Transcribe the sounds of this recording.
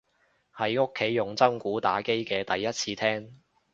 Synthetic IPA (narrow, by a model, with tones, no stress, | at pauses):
hɐ˨˥jŋʊ˥kʰːe˨˥jːʊ˨˩ŋt͡sɐ˥mkuː˨˥t̪a̰ː˨˥ke˥jkɛː˧t̪ɐ˨jːɐ˥t̚t͡sʰiː˧t̪ʰɛː˥ŋ